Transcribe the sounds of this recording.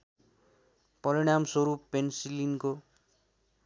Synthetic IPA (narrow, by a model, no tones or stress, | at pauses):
pʌɾiɽ̃amsʌɾuppːensilinko